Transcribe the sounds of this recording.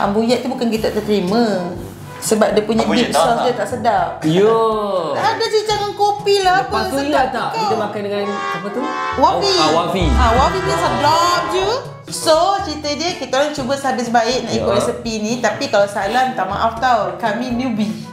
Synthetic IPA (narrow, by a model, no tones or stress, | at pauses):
a̰mbujaʔ̚t̪ubukankit̪aʔt̪ət̪ɾimə̃ | səbap̚dəpuɲaisɔsdət̪aʔsədaʔjəaʔadat͡ʃitaŋankopilahapət̪uat̪aʔkiəmakandəŋalanapət̪uwafiafiãwafibisadlɔp̚d͡ʒu | sot͡ʃɾit̪ədəkit̪əlat͡ʃubəsadəsbaɪʔ̚nãʔikʊt̪̚esəpinĩt̪apikalasalant̪ama̰ʔaft̪awkamĩnubi